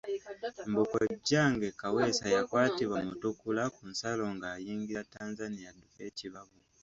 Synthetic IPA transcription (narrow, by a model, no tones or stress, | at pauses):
mbukoɟːaːŋɡekawe̞sajakwaːtiβwamutukulakunsalo̞ŋɡaːjiːŋɡiɾataːnzanijadukeːciβaβu